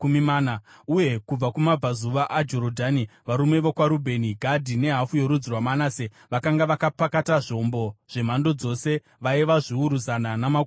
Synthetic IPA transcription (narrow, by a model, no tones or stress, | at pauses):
umimaːnauje̞kub͡vakumab͡vazuʋaʔad͡ʒo̞ɾodʱaniʋaɾumwe̞ʋo̞kwaɾubʱe̞niɡʱadʱine̞ɦafujo̞ɾud͡zirwamanaːse | ʋakaŋɡaʋakapakataʐo̞mbo̞ʐ̥e̞m̤ando̞d͡zo̞ːse̞ | ʋaiʋaʐiuɾuzananamak